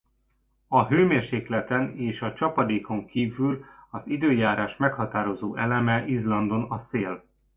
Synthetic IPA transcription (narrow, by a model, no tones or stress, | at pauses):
ɒɦøːmeːrʃeːklɛt̪ɛneːʃɒt͡ʃɒpɒd̪eːko̞ŋkiːvylɒzid̪øːjaːɾaːʃmɛkhɒt̪aːɾo̞zoːʔɛlɛmɛʔizlɒnd̪o̞nɒseːl